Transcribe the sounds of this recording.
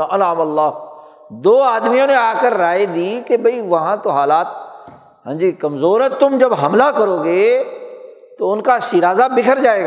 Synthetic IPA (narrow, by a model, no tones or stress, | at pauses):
ɐnaːmɐlːaː | d̪oːaːd̪mijõneaːkəɾːaːed̪iːkebʱɐiʋɐɦãt̪oɦaːlaːt̪̚ | ɦə̃nd͡ʒikɐmzoːɾɦɛ̃t̪ʊmd͡ʒɐbɦɐmlakɐɾoːɡeː | t̪oʊnkaʃiɾaːzabɪkʰəɾd͡ʒaːeːɡa